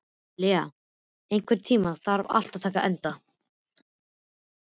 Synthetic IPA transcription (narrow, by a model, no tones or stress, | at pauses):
lɪa | ejŋkʰvɛɾ̥t̪ʰiːmaθaɾva̰l̥t̪awt̪ʰaːkaʔɛnt̪a